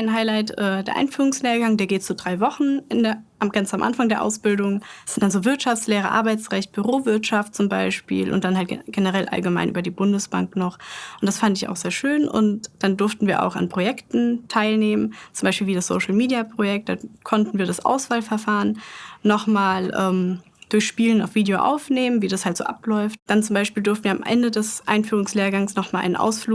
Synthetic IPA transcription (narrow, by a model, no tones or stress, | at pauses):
aɪnɦaɪlaɪtʔɛːd̥eːɐʔa̰ɪnfyːʁ̞ʊŋsneːɐɡaŋdeːɐɡeːtt͡sudʁaɪvɔχn̩ʔɪndeːɐʔamɡ̥ant͡samʔa̰nfaŋdeːɐʔa̰ʊsb̥ɪldʊŋsɪntd̥anzoːvɪɐtʃaftt͡ssleːʁ̞ə̰ʔa̰ɐbaɪt͡sʁɛçt̚b̥yʁoːvɪɐtʃaftt͡sʊmbaɪʃpḭːlʔʊ̰nt̚d̥anɦalt̚ɡ̥enəʁɛlʔa̰lɡəma̰ɪnʔy̰ːbɐdiːbʊndəsb̥a̰ŋknɔχʔʊntd̥asfandɪça̰ʊxz̥eːɐʃøːnʔʊ̰ntd̥andʊɐftn̩viːɐʔa̰ʊxa̰npʁ̥ojɛktn̩tʰaɪlneːmənt͡sʊmbaɪʃpiːlviːdasz̥o̰ʊʃl̩miːdiapʁ̥ojɛk̚t̚d̥aːkʰɔntn̩viːɐɾasʔa̰ʊsv̥aːlfɛɐfaːʁənːɔχmaːlʔɛ̰ːm | d̥ʊɐçʃpiːləna̰ʊfv̥iːdeoːʔa̰ʊfneːmənviːdashaltz̥o̰ːʔa̰plɔʏft̚d̥ant͡sʊmbaɪʃpiːldʊɐftn̩iɐamʔɛ̰ndədɛsʔa̰ɪnfyːʁ̞ʊŋsleːɐɡaŋsnɔχmaːlʔa̰ɪnnʔa̰ʊsfluː